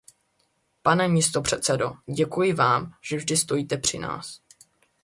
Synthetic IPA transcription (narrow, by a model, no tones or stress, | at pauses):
panɛmɪst̪o̞pr̝̥ɛt̪sɛdo̞̰ɟɛkujɪvaːmʒ̥ɛvʒdɪst̪o̞jiːt̪ɛpr̝̥ɪna̰ːs